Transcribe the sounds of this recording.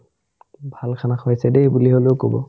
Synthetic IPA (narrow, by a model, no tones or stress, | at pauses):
bʱalkʰanakojsɛdebuliɦolekobɔ̰